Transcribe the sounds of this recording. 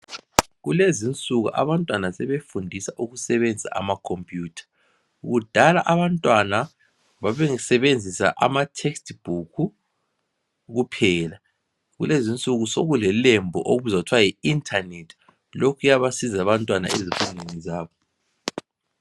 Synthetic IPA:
ɣulezint͡sʼuɣṵʔa̰βantʼwanasɛβefundʱisaʔuɣusɛβend͡zʱa̰ʔa̰makʰompʼjuːtʰḁ | uɣud̥ʱalaʔaβantʼwana | βaβeŋisɛβend͡zʱisa̰ʔa̰matʰekstʰʼb̥ʱukʰu | ɣupʰɛːla | ɣṵlezint͡sʼuɣusoɣulɛlembʱɔʔoβuzautʰwajiintʰʼanetʰi | lokʰujaβasizaβantʼwana̰ʔezifunʱenizaːβɔ

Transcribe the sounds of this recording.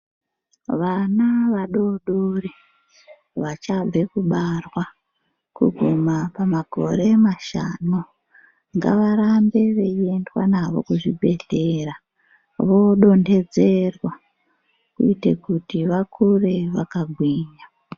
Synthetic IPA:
ʋanaʋaɗoɗuri | ʋat͡ʃab͡ve̞kuɓarwa | kṵɡʱumapamaɡʱo̞̰ɾe̞maʃano | ŋɡa̰ʋaɾambe̞ʋe̞iendwa̰naʋo̞̰kuʐibʱe̞ɮeːra | ʋo̞ɗo̞nde̞d͡ze̞rwa | kuitekutiʋakʰure̞ʋakaɡʱwiːɲa

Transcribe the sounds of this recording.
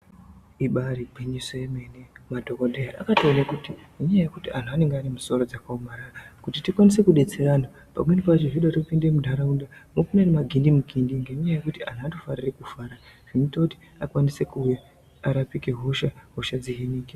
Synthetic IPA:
iɓaribʱwiɲisojeme̞nemadʱo̞kodʱejaʔakataonekutieɲaaje̞kutian̤uane̞ŋɡeanemuso̞ɾo̞d͡zakaumaɾarakutitikwanise̞kuɗe̞t͡se̞ɾana | pa̰mwenipat͡ʃoʐiɗaropinde̞mudʱaɾaundamokunenemaɡʱindimuɡʱindiŋɡeɲaje̞kutia̰n̤uatofarirekufaːɾaʐ̥initouti̥ | akwanise̞kuwe | aɾapike̞ɦuʃaɦuʃad͡ziɦiniːke

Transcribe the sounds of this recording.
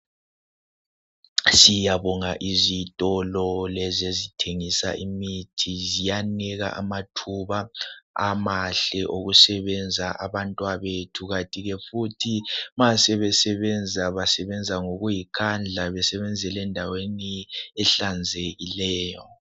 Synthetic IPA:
sijaβɔŋaʔizitʼɔlɔlɛzezitʰeŋisa̰ʔimitʰizijanɛɣa̰ʔa̰matʰuβaamaɬɛʔoɣusɛβɛnd͡zʱaʔaβantʼwaβetʰuɣatʼiɣɛfutʰimasɛβɛsɛβɛnd͡zʱaβasɛβɛnd͡zʱaŋoɣujikʰand͡ɮʱaβɛsɛβɛnd͡zʱɛlɛndʱaweniɛɬand͡zʱeɣilɛːjɔ

